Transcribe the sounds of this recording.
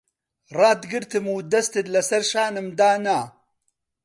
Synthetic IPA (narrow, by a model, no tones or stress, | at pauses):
rˤɑːd̪ɡɨɾt̪ɨmuːd̪ɐst̪ɨd̪lɐsɐɾʃaːnɨmd̪aːna